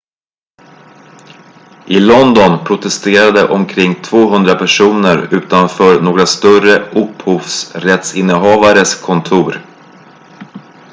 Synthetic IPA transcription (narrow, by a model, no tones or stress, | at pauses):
ʔɪlɔnd̪ɔnpʰɾʊt̪ɛst̪eːɾad̪əʔɔmkʰɾɪŋːt̪ʰvoːɦɵnd̪ɾapʰæʂuːnəɾʉ̟ːt̪anfœːɾnoːɡɾast̪œrəʔɵphuːvsɾɛt̪sɪnːəɦɑːvaɾəskʰɔnt̪ʰuːɾ